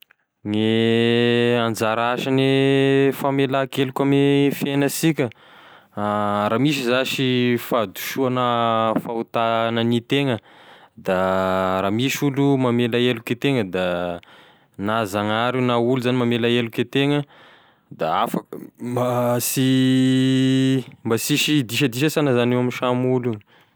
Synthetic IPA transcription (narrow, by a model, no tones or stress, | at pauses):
ŋe | and͡zaɾaʃanefamelakelukʲamefenəsikʲə | ramis̬izaʃifad̪u̥ʃuanəfaut̪anənit̪eŋəd̪aɾamiʃulumamelaeluket̪eŋəd̪a | nazaŋaɾunauluzanimamelaeluket̪eŋə | d̪aafəkmasi | mbasiʃid̪iʃ̬əd̪iʃəsanəzanewaminʃamulu